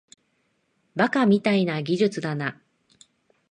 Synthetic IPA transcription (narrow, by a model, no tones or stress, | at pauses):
bakamʲit̪ainaɡʲiʑɨt͡sɨd̪ana